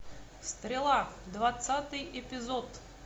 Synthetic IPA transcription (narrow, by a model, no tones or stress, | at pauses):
st̪ɾʲɪlˠad̪vat̪sat̪ɨjɪpʲɪzot̪